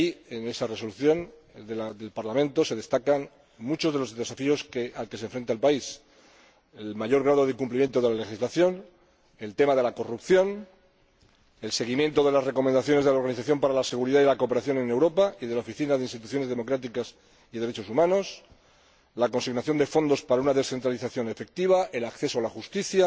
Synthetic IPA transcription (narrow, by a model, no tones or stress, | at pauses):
iene̞sare̞so̞luθjo̞n | d̪elaðe̞lpaɾlamẽnt̪o̞se̞ðe̞st̪akan | mut͡ʃoðe̞lo̞zðe̞safio̞skealke̞s̬e̞ɱfɾent̪alpais | elmaʝo̞ɾɣɾað̞o̞ðekumplimje̞nt̪o̞ðe̞lale̞xizlaθjo̞n | e̞lt̪e̞maðe̞lako̞rupθjo̞n | e̞lse̞ɣ̞imje̞nt̪o̞ðe̞lasre̞ko̞mẽnd̪aθjo̞ne̞zðe̞lao̞ɾɣaniθaθjo̞mpaɾalase̞ɣ̞uɾiðaðilakope̞ɾaθjo̞ne̞ne̞wɾo̞paiðe̞laofiθinaðeinst̪it̪uθjo̞ne̞zðe̞mo̞kɾat̪̬ikas | iðe̞ɾe̞t͡ʃo̞sumãno̞s | lako̞nsiɣnaθjo̞nd̪e̞fo̞nd̪o̞spaɾaunaðe̞sθe̞nt̪ɾaliθaθjo̞ne̞fe̞k̚t̪iβ̞ae̞lakθe̞soalaxust̪iθja